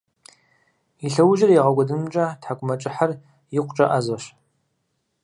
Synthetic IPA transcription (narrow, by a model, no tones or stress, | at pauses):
iɬɐwʒɐrjiʁɐɡʷɔdɨmt͡ʃʼatħakʷʼʊmɐt͡ʃʼɪħar | jɪqʷt͡ʃʼɐ̰ʔazɐɕ